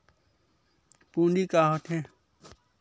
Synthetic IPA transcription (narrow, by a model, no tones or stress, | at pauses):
pũːnɖikaːɦot̪ʰẽ